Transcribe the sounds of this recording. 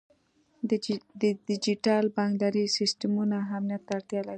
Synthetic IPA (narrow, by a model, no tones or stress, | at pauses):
d̪d̪ɪd͡ʒiʈɑlbɑŋɡd̪ɑɾisɪsʈamunaamnijat̪ːaːɽt̪jɑlaɾi